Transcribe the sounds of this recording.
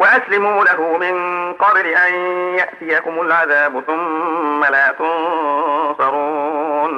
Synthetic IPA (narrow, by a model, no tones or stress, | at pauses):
waʔaslɪmuːlaɦʊmɪnqɑbɪlɪʔanjaʔt̪ɪjakʊmʊlʕaðaːbʊθʊmːalaːt̪ʊn | sˤɑɾuːn